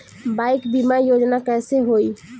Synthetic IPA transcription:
bajkbimajod͡ʒnakɛseɦoi

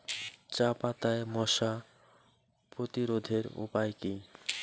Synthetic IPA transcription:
t͡ɕapat̪aemɔʃa | pɾot̪iɾod̪ʱeɾṵpajki

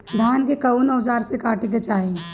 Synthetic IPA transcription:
d̪ʱjaːnkekɐunoːd͡ʒaːɾsekaːʈiket͡ʃaːĩ

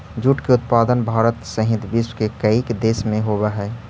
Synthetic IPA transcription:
d͡ʒuʈkeʊt̪̚paːd̪ənbʱaːɾət̪səɦɪd̪bɪswkekəikd̪eːsmẽɦobəɦɛː

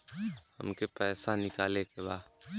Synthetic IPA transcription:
hɐ̰mkepɛːsanɪkaːlekebaː

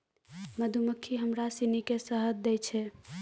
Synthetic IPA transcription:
məd̪ʱuməkʰːiɦəmɾasinikesəɦəd̪̚d̪ɛjt͡ʃʰɛ

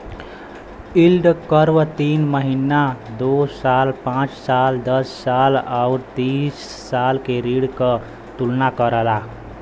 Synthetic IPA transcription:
ilɖkəɾʋət̪inməɦinad̪osalpãt͡ʃsald̪əssalauɾt̪isː | alkeɾiɽkə | t̪ulnakəɾəla

